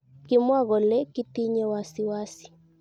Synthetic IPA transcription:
ki˦mwa˦ɣɔ˨lɛ˦ki˦ti˦ɲɛ˦wa˦si˨wa˦si̥˨

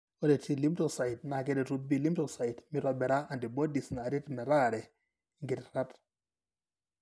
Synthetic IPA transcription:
ɔ˦de˨tʰi˦li˦mto˦˨sa˨i˨t̚na˨kɛ˦dɛ˨ɾu˦bi˦˨li˦mtɔ˨sa˨i˨tmɪ˦ɾɔ˨bɛ˨ɾa˦a˨ndi˨bɔ˦di˨sna˨ɾe˦tmɛ˨ɾa˦˨ɾɛ˨ | ŋɡe˨tɾa˦t

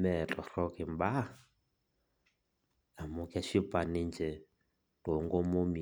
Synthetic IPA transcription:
mɛ˨t͡ɬʼɔ˨rɔ˦kɛ˨m̩ba˦ | a˨mʊ˦kʼa˦ʃi˦pʼa˨ni˦nd͡ʒɛ˨ | to˨ŋɡɔ˦mo˦mi˨

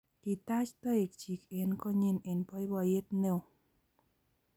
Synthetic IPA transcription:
ki˨t̪a˦t͡ʃt̪ɔ˦e˨k̚t͡ʃi˨ke˨nkɔ˦˨ɲe˧˨ne˨npɔ˧˦jbɔ˧˨je˦t̪ne˨w

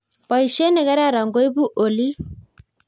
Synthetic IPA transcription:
pa˨i˨ʃe˦nɛ˨ka˦ɾa˦˨ɾa˨ŋɡo˦i˦bu˦ʔo˨li˦

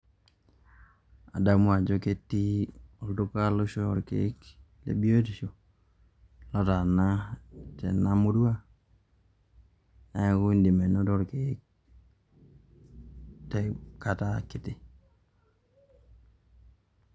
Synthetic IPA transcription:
a̰˨da˦mwa˨d͡ʒo˦ke˦tːi˦o˨ldu˦ka˦lo˦ʃo˦ɔ˨ɾkḛ˨˦k | lḛ˦bi˦o˦e˦tʃo˨ | lɔ˦ta˨na˦tɛ̰˨na˦mo˦du˦a˦ | na˨˦ku˦i˦ndi˨me˨no˦dɔ˦ɾke˨˦k̚ | tɛka˦ta˦kɪ˨tɪ˦

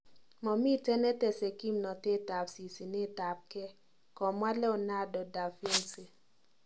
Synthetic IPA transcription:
mɔ˨mi˦tɛ˦nɛ˦tɛ˨sɛ˨ki˦mnɔ˨te˦˨ta˨psi˨si˨ne˦ta˨p̚kɛ˦ | kɔ˨mwa˦lɛ˦ɔ˨na˦dɔ˨da˨fe˦nse˨

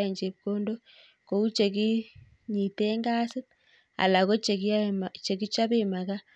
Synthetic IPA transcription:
e˨ɲd͡ʒeβkoː˦ndo˦ | ko˨ɣu˦t͡ʃe˨ki˦ | ɲi˨teː˦ŋɡaː˦si˦ | a̰˨la˨ɣo˦t͡ʃekt͡ʃe˨ki˦t͡ʃa˦βema˨ɣa˦

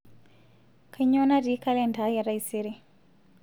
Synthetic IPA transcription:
kʰa˨ɲɔna˦ɾi˦ka˦lɛndʱa˨˦ja˨ɾaiseɾi˦

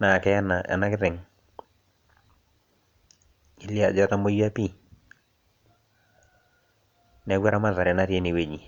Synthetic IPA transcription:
na˨kɛ˦na̰˨na˦kɪ˦tɛ˨ŋ | i˨li˦a˨d͡ʒɔ˦ta˦mo˦ja˦pi˦˨ | nɛ˨ɡwa˦ɾa˦ma˦ða˨ɾɛ˨na˦ɾje˦ni˨we˦˨ɲi˨

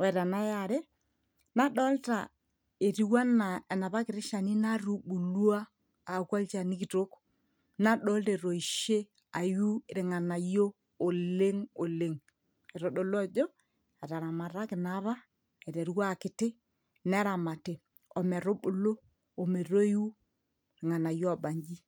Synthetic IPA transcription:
wɛ˨ta˨na˦ja˨ɾe˦ | na˦ɗɔ˦lta˨ | e˨ɾi˦wa˦na˨ɛ˨na˨βa˦kɪ˨ɾɪ˦ʃa˨ni˦na˦ɾu˨ɓu˨lu˦aː˦˨ | kwa˦lt͡ʃa˨ni˦ki˨to˦k | na˦ɗɔ˦lte˨ɾo˨i˨ʃe˦ | a˨ju˦e˨ɾɪ˨ŋa˨na˨joː˦˨ | le˦ŋo˨le˦ŋ | ɛ˨ɾo˨ɗo˨lo˦a˦˨d͡ʒɔ˦ | a˨ta˨ɾa˨ma˨ɾa˦kɪ˨na˦βa˦ | ɛ˨ɾɛ˨ɾwa˦˨kɪ˨˦tɪ˦ | nɛ˦ɾa˨ma˨te˨ | ɔ˨mɛ˨ɾo˦ɓʊ˨loː˦˨ | me˨ɾo˦e˦ju˦ | ɾɪ˨ŋa˨na˨jo˦a˨ba˨ɲd͡ʒi˦

